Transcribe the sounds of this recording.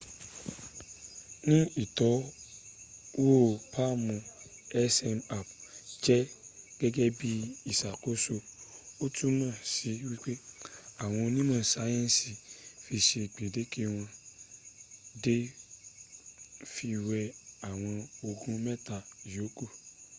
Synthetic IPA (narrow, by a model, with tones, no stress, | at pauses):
nĩ˦i˦˨tɔ˨˦ | wo˦˨pʰa˦mũ˧ɛ˦sɛ˧na˨p̚d͡ʒɛ˦ɡ̥ɛ˦ɡɛ˦bi˦i˦˨sa˨ko˨˦so˧o˦tʰu˦nãː˦˨si˨˦wi˦k͡pe˦a˦˨w̃ɔ̃˧nĩ˦mã˦˨sa˨˦jɛ̃˦n˨si˨fi˧ʃe˧˨k͡pe˨de˨˦ke˦w̃ɔ̃˧ | de˦ | fi˧wɛ˧a˨w̃ɔ̃˧o˧ɡũ˦mɛ˦ta˨i˨jo˨˦ko˦˨